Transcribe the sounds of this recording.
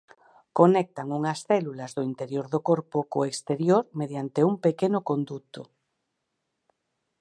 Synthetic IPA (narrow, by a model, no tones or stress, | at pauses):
konek̚t̪aŋuŋɐsθɛlulazðoint̪eɾjoɾðokoɾpokoekst̪eɾjoɾmeðjant̪eumpekenokond̪ut̪o